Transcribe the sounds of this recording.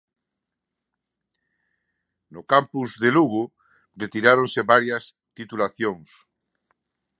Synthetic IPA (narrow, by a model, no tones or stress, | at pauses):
nʊkampuzðeluɣʊ | ret̪iɾaɾoŋseβaɾjɐs | t̪it̪ulaθjoŋs